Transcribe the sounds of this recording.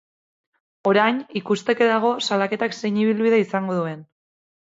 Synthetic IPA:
o̞ɾajnikust̪e̞ke̞ðaɣ̞o̞salake̞t̪akse̞jɲiβilβiðaisaŋɡo̞ð̞ue̞n

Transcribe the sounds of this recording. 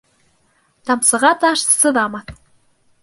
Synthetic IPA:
t̪ɑmsɤ̆ʁɑt̪ɑʃsɤ̆ðɑmɑt̪

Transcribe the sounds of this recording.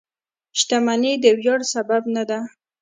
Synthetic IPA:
ʃt̪amaned̪əwjɑɽsababnad̪a

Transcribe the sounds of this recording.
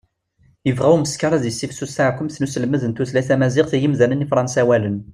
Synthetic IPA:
jəvʁæuməskɑɾˤæðisːifsːusaʕkʷːʊmθnusəlməðənt̪uθlæθæmæzɪqθijimðænənifɾˤɑnsæwælən

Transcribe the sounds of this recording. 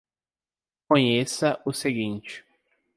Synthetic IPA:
kõɲesɐʔʊseɡĩnt͡ʃɪ̥

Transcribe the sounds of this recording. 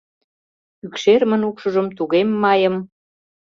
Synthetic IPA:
ykʃermə̆nukʃə̆ʒəmt̪uɣemːɑjə̆m

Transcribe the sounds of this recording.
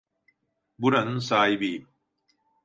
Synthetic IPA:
buɾɐnsaːjbi

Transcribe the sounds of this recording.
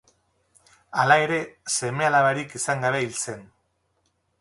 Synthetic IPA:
alae̞ɾe̞se̞me̞alaβaɾikisaŋɡaβe̞ilt͡se̞n

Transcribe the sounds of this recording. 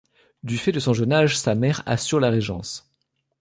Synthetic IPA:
d̪yfɛd̪əsɔ̃ʒənaʒsamɛʁa̰syʁlaʁeʒɑ̰̃s

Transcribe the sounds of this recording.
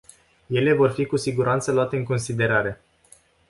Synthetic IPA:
je̞le̞vo̞rfikusiɡuɾʔant̪səloat̪e̞ɨŋko̞nsid̪e̞ɾaɾe̞

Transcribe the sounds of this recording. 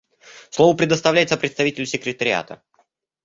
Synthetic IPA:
slˠovəpɾʲɪd̪əst̪ɐvlʲæɪt̪əpɾʲɪt̪st̪ɐvitʲɪlʲʊsʲɪkɾʲɪt̪əɾʲɪa̰t̪ə̰

